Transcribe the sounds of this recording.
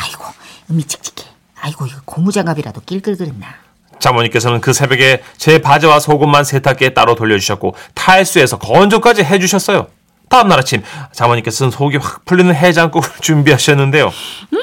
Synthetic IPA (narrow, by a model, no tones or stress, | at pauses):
aiɡ̥oɯmit͡ɕ͈i̥k̚t͡ɕ͈i̥k͈ʰe | aiɡoiɡʌkomud͡ʑaŋabiɾa̰dok͈iɭk͈ɯɭɡɯɾenːa | t͡ɕamwʌɲik͈e̞sʰʌnɯnkɯsʰe̞bjeɡe̞t͡ɕe̞pad͡ʑʌwasʰoɡomːansʰetʰak͈e̞t͈aɾotoʎːʌd͡ʑuɕʰʌt̚k͈otʰaɭs͈ue̞sʰʌkʌnd͡ʑok͈ad͡ʑiɦe̞d͡ʑuɕʰʌts͈ʌjo | taɦɯmnaɾat͡ɕʰimt͡ɕamʌɲiŋk͈e̞sʰʌnɯnsʰoɡiak̚pʰuɭːinɯnɦe̞d͡ʑaŋk͈oɡt͡ɕumbiɦaɕʰʌnːɯnde̞jo̰